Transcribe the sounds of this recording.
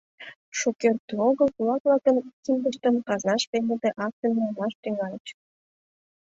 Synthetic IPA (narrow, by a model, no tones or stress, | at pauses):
ʃokert̪ːuoɣəlkulɑk̚vlɑkənkimd̪əʃt̪əmkɑznɑʃpened̪eʔɑk̚t̪ənmumlɑʃt̪yŋɑlʲət͡ɕ